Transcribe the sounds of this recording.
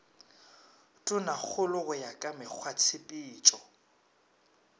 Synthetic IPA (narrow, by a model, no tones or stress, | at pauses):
tʼʊnak͡xʰʊlʊɣʊjakʼamɪk͡xʰwat͡sʰɪpʼiːt͡ʃʼɔ